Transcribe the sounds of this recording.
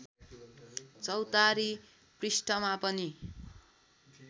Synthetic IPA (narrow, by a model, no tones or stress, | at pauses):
t͡sʌwt̪aɾi | prisʈʌmapʌni